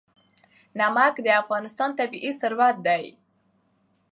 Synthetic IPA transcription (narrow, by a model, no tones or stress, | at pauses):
namakd̪əafɣɑnɪst̪ɑnt̪abiʔisʊɾwat̪̚d̪aj